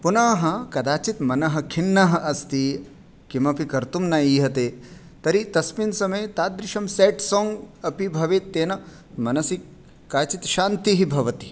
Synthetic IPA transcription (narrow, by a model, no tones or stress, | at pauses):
punaːɦɐkɐd̪aːt͡ʃit̪mɐnɐɦɐ̆kʰinːɐɦɐʔɐst̪i | kimɐpikɐɾt̪umnaiːɦɐt̪eː | t̪ɐɾit̪ɐsminsɐmɐjt̪aːd̪ɾɪʃɐmseːʈsoːŋɡɐpibʱɐʋeːt̪ːeːnɐ | mɐnɐsi | kaːt͡ʃit̪ʃaːnt̪iɦibʱɐʋɐt̪i̥